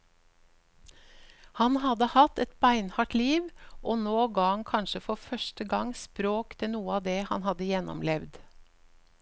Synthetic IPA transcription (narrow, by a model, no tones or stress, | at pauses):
hɑnhɑd̪əhɑt̪ɛt̪bæɪnhɑʈliːʋʔoːnoːɡɑːhɑnkʰɑnʃəfɔfœʃʈəɡɑŋspɾoːkt̪ʰɪnuːəɑːd̪eːhɑ̰nhɑd̪əjɛnɔ̰mlɛʋd̪